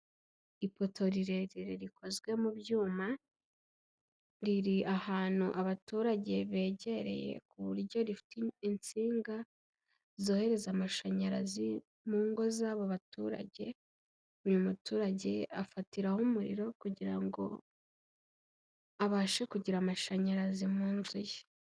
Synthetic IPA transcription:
ipo̞tʰo̞ɾiɾe̞ɾiɾiɾiko̞zɡwe̞mubjuːma | ɾiɾiʔahaːn̥hṵʔaβatuːɾaɟe̞βe̞ːɟe̞ɾe̞̰je̞̰kuβṵɾɟo̞ɾifi̥tint͡siːŋɡa | zo̞ːhe̞ɾe̞zamaʃaɲaɾazi | muːŋɡo̞zaːβoβatuːɾa̰ɟe̞ | ujumutuːɾaɟe̞afatiɾahumuɾḭɾo̞kuɟiɾaŋɡo̞̰ | aβaːʃekuɟiɾamaʃaɲaɾazimuːnzuje

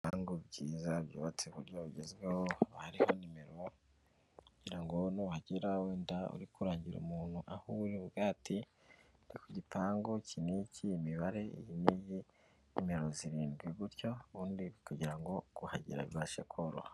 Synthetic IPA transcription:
aŋɡobɟiːzabjṵːβat͡seβuɾɟoβiɟezɡwe̞hohaɾiho̞nime̞ɾo̞ | kuɟ̥iɾaŋɡonohaɟiɾaweːndaṵɾikuɾaːɲɟiɾṵmuːn̥huʔahuuɾiβɡaːtʰi | ɾikuɟipʰaːŋɡocʰinicʰiimiβaɾe̞ijiniji | nime̞ɾo̞ziɾiːnɡwiβuɾjo̞βuːndiβkuɟiɾaŋɡo̞ɡ̥uha̰ɟḭɾa̰βiβaʃḛkʰoɾo̰ha

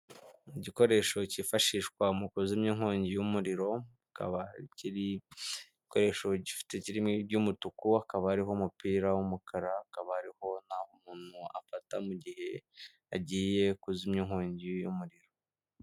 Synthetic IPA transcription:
iɟiko̞ɾe̞ːʃo̞cifaʃiʃkwamukuzimɲiŋhoːɲɟijumuɾiɾo̞ | ka̰βaciɾi | koɾe̞ʃo̞ɟifi̥teciɾimŋebɟumutukuakaβaaɾiɦomupiːɾawumukʰaɾaakaβahaɾiho̞n̥ahomuːn̥hua̰fatamuɟihe̞ | aɟiːje̞kuzimɲiŋ̥hoːɲɟijumuɾiɾo̞

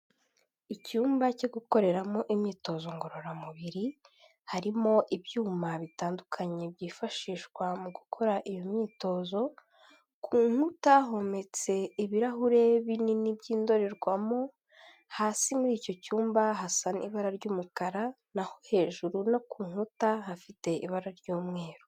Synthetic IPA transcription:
icuːmbacoɡuko̞ɾe̞ɾamo̞ʔimɲiːto̞ːzo̞ŋɡo̞ɾo̞ɾamuβiɾi | haɾimo̞ʔibjuːmaβitaːndukʰaɲe̞bɟiːfaʃiːʃkwamuɡukʰo̞ɾaʔijo̞mɲiːto̞ːzo̞ | kʰuːŋ̥utaɦo̞me̞t͡se̞iβiɾaɦuɾe̞βininibɟiːndo̞ɾe̞ɾɡwamo̞ | haːsimuɾiːco̞cuːmbaɦasanḭβaɾaɾɟuːmukaɾa | naho̞he̞ːʒuɾuno̞kuːŋ̥hutaɦafite̞ʔiβaɾaɾɟuːmŋe̞ːɾo

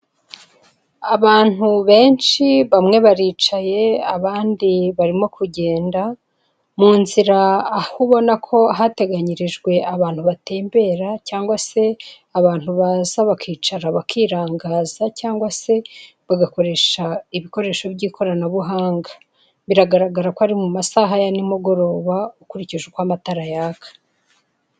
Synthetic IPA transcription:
aβaːn̥huβe̞ːnʃiβamŋe̞βaɾiːt͡ʃaje̞aβaːndiβaɾimo̞kʰuɟe̞ːnda | muːnziɾaːhuβo̞nakʰo̞ɦate̞ɡaɲiɾiʒɡwe̞ʔaβaːn̥huβate̞ːmbe̞ɾacaːŋɡwase̞ | aβaːn̥huβaːzaβakʰiːt͡ʃaɾaβakʰiːɾaːŋɡaːzacaːŋɡwase̞ | βaɡako̞ɾe̞ʃaiβiko̞ɾe̞ːʃo̞βɟiːkʰo̞ɾanaβuɦaːŋɡḁ | βiɾaɡaɾaɡaɾakoaɾimumasaːɦajanimuɡo̞ɾo̞ːβaukuɾiciʒukwamataɾajaːkʰḁ

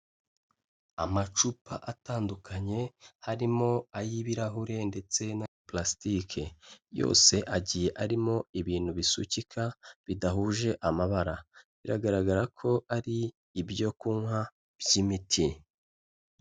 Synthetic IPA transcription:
amat͡ʃupaʔataːndukʰaɲe̞haɾimo̞ajiβiɾaɦuɾe̞nde̞t͡se̞na | plastikʰejo̞̰ːse̞ʔaɟije̞ʔaɾimo̞iβiːn̥huβisṵcikʰaβidaɦuʒe̞ʔamaβaɾaβiɾaɡaɾaɡaɾakʰo̞ʔaɾiː | bjo̞kuŋɦa | b̥jimitʰi

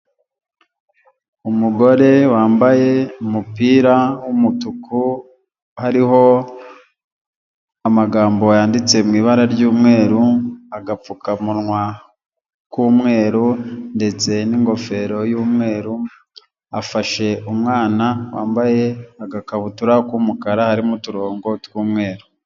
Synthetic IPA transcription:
umuɡo̞ɾe̞waːmbaje̞umupiːɾawumutuku | haɾiɦo̞ | amaɡaːmbo̞jaːndit͡se̞mŋiːβaɾaɾɟuːmŋe̞ːɾuaɡap͡fukamuɾŋwa | kuːmŋe̞ːɾunde̞t͡se̞niŋɡo̞fe̞ɾo̞juːmŋe̞ːɾu | afaʃe̞ʔumŋaːnawa̰ːmbaje̞aɡakaβutuɾakwumukaɾahaɾimutuɾo̞ːŋɡo̞twuːmŋe̞ːɾu

